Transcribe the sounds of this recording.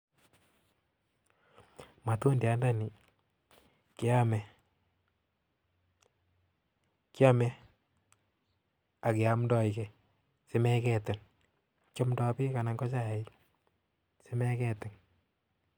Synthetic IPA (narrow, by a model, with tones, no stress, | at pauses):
ma˨tu˦ndja˦nda˦ni˨ | ki˦a˦mɛ˨ | kja˦mɛ˦ | a˨kɪ˨a˦mndɔ˦i˨kɛ˨ | se˦mɛ˦kɛtɪ˨n | t͡ʃɔ˦mdɔ˦pi˦ka˨na˨ŋɡɔ˦t͡ʃa˦jɛ˨i˦ | se˦mɛ˦kɛ˦tɪ˨n